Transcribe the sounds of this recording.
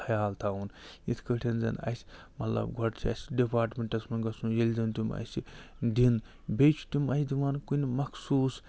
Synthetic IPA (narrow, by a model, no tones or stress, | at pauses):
hɐjaːlt̪ʰaːunit̪ʰkɐʈʰʲenzɐ̰nɐ̰sʲ | mɐt̪lɐ̰bɡʱɔʈt͡ʃʰiɐ̰sʲɖipaːɾʈmʲeɳʈɐsmɐɡɐsũjelʲd̪int̪umʲɐ̰si | d̪in | bʲejt͡ʃʰu̥t̪umʲɐsʲd̪imaːnkunʲmɐkʰsuːs